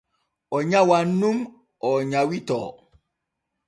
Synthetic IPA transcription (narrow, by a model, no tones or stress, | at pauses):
ɔɲawan̩num | ɔɲawitɔ̰